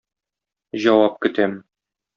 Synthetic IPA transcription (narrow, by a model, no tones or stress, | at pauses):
ʑɒwɑp̚kɘ̆t̪æm